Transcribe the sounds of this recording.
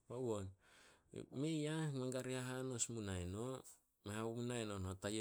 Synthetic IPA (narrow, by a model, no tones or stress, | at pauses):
wawon̰ | mejamaŋɡaɾiaɦanosmunajno | mehawmunajnonotaje